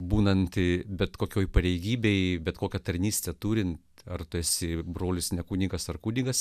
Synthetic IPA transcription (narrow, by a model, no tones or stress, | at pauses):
buːnɐnt̪bʲɛt̪koːkʲoːjpɐɾʲɛɪɡʲiːbʲeɪbʲɛt̪koːkʲɛt̪ɐɾʲnʲiːsʲt̪ʲɛt̪uːɾʲɪnt̪ɐrt̪ʊæːsʲɪbroːlʲʊsnʲɛkuːnʲiɡɐsɐrkuːnʲiɡɐs